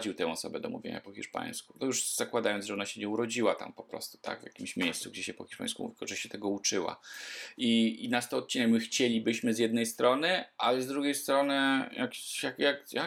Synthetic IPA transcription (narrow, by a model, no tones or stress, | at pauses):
d͡ʑiwt̪ɛ̃w̃ɔsɔbɛd̪ɔmṵvʲḛɲa̰pɔxʲiʂpa̰j̃skunɔjuʐz̥akwad̪ajɔnʐɛɔnaɕɛɲɛuɾɔd͡ʑiwat̪a̰mpɔpɾɔ̰st̪u̥t̪a̰ɡvja̰kʲimɕmʲjejssuɡd͡ʑɛɕɛpɔxʲi̥ʂpa̰j̃skumuvʲiɔ̰ʐɛɕɛt̪ɛɡɔut͡ʂɘwa̰ʔiinast̪ɔɔt̪̚t͡ɕinɛkmxt͡ɕelʲibɘɕmɘzjɛd̪̚nɛjst̪ɾɔnɘʔalɛzd̪ɾuɡʲejst̪ɾɔnɛjakjakjakja